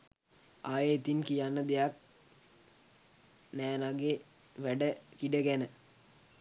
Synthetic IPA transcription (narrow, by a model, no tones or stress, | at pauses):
aːjəit̪inkijanːəd̪ejak̚ | næːnaɡe | ʋæɖəkiɖəɡænə